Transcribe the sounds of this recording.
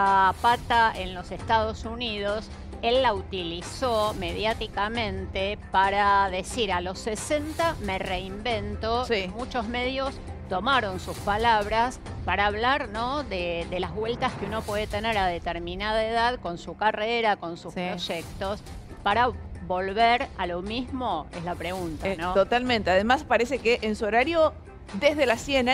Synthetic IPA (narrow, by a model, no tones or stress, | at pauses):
apat̪aenlo̞sest̪aðo̞suniðos | e̞lːaut̪iliso̞me̞ðjat̪ikamẽ̞nt̪epaɾaðe̞siɾalo̞sːese̞nt̪ame̞reimbe̞nt̪o̞simut͡ʃo̞zme̞ð̞jo̞s | t̪o̞maɾo̞nsuspalaβ̞ɾas | paɾaːβlaɾnoðeðelazβwe̞lt̪askeuno̞pwe̞ðet̪e̞ne̞ɾaðet̪eɾmĩnaðaeðaðko̞nsukareɾako̞nsuspɾo̞ʒek̚t̪o̞s | paɾaβo̞lβeɾalo̞mizmo̞ezlapɾeɣunt̪anot̪ot̪almẽnt̪eaðemaspaɾesekeʔensuoɾaɾjo | d̪ezðelasien